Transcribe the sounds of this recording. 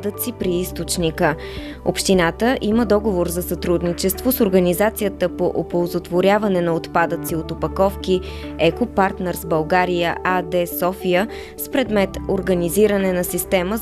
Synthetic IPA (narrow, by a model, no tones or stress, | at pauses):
d̪ət̪sipɾiist̪ot͡ʃnikə | o̰pʃt̪inat̪əʔiməd̪ɔɡovoɾzɐsɐt̪ɾud̪nit͡ʃɛst̪vosoɾɡənizat̪sijət̪əpoʔopolˠzot̪voɾʲavɐnɛnɐot̪pad̪ət̪siot̪opɐkɔfki | ɛkopaɾt̪nɛɾzbɐlˠɡaɾijəʔad̪ɛsɔfijə | spɾɛd̪mɛt̪oɾɡəniziɾənɛnɐsist̪ɛmə